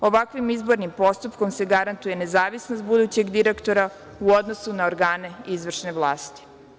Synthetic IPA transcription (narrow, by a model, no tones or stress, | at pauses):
o̞ʋakʋimizbo̞ɾnimpo̞st̪upko̞mse̞ɡaɾant̪uje̞ne̞zaːʋisnost̪̚bud̪uːt͡ɕe̞ɡd̪iɾekt̪o̞ɾa | uo̞d̪nosunaoɾɡaːne̞izʋr̩ʃne̞ʋlˠaːst̪i̥